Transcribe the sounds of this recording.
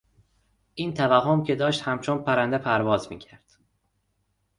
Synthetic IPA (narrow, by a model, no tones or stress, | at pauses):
ʔiːnt̪ʰævæɦomcʰe̞d̪ɒːʃt̪hæmt͡ʃʰonpʰæɾænd̪epʰæɾvɒːzmḭːcʰæɾd̪̥